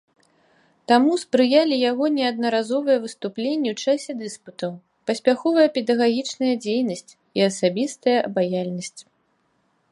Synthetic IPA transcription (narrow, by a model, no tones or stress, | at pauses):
t̪amuspɾɨjalʲijaɣɔnʲɛɐd̪̚nɐɾazɔvɐjɐvɨst̪uplʲenʲːɛwt͡ʂasʲɛd̪ɨsput̪ɐw | pɐsʲpʲaxɔvɐjɐpʲɛd̪ɐɣaɣʲit͡ʂnɐjɐd͡zʲejnɐsʲt͡sʲ | iɐsabʲist̪ɐjɐʔɐbajalʲnɐsʲt͡sʲ